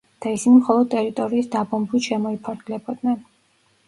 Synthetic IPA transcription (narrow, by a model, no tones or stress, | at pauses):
d̪̥aisinimχɔlˠɔd̪̚t̪ʼɛɾit̪ʼɔɾiːsd̪abɔmbiʃɛmɔipʰaɾɡ̪lɛbɔd̪nɛn